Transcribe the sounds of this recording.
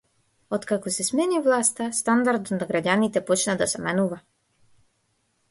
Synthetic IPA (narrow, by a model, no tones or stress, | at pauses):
ɔt̪kakɔsɛsmɛnivlˠast̪ast̪and̪aɾd̪naɡɾaɟanit̪ɛpɔt͡ʃnad̪asɛmɛnuva